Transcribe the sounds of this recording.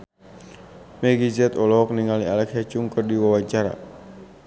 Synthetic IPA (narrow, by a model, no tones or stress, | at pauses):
mɛɡizɛt̪ɔlɔk̚niŋalialɛkat͡ʃuŋkɨrdiwawaɲt͡ʃaɾa̰